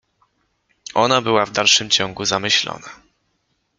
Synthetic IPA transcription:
ʔɔnabɘwavd̪alʂɘmt͡ɕɔ̃ŋɡuzamɘɕlɔ̰na

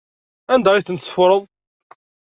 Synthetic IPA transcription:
ænd̪æiθənt̪sfɾˤəðˤ

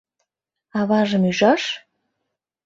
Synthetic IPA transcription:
ɑβɑʒəmyʒɑʃ

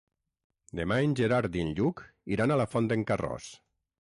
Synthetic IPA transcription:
d̪emaenʲd͡ʒeɾaɾd̪inʎukiɾanalafɔnd̪eŋkarɔ̰s

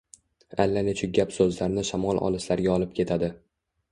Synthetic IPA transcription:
alːanɪt͡ʃʰʊɡʲapsɵzlaɾɪnɪʃamɒlˠʔɒ̰lˠɪslaɾɡʲaɒlˠɪp̚kʲʰe̞t̪ʰad̪ɪ

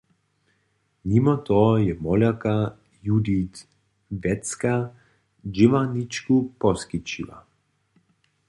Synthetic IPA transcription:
nimɔt̪ɔjɛmɔlʲaka | jud̪it̪ | vɛt̪ska | d͡ʒiʋanit͡ʃkupɔskit͡ʃila̰

